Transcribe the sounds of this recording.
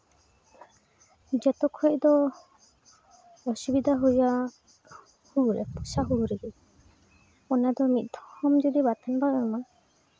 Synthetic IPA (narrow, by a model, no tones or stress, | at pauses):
d͡ʒɛt̪ɔkʰɔd̪ɔ | ɔsubid̪ʱaɦuja | huɾɛ̰pusaɦuɾɛɡɛ | ɔnad̪ɔmit̪̚ˀd̪ʱɔ̥hɔmd͡ʒɔd̪ibat̪anbaɔjma